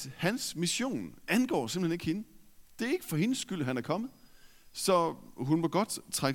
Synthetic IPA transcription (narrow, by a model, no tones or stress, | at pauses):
hænsmiɕo̝̰ːnænɡ̥ɒ̰ːse̝m̥lhene̝ɡ̥henəd̥e̝æɐe̝ɡ̥əfɒ̽he̝nəsːɡ̥yl̰ɦænæɐkʰɒ̽mð̩ˠ | sɒ̽ɦunmoɡ̥ɒ̽d̥t͡sʰʁa